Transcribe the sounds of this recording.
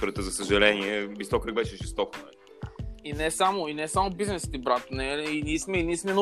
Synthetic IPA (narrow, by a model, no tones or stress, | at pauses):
ɾət̪əzɐsəʒɐlɛniɛvist̪ɔkɾəɡ̚bɛʃɛʒɛst̪ɔkənɐli | inɛsamoinɛsamobiznɛst̪ibɾat̪onɛiniːsmɛiniːsmɛn